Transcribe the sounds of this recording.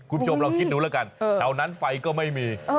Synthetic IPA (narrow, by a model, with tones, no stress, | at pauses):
kʰu˧nt͡ɕʰo˧mɾa˧wkʰi˦˥t̪̚ɾuː˨˦lːka˧n˧a˨˩wna˦˥nfa˧jkɔː˥˩ma˥˩jmiː˧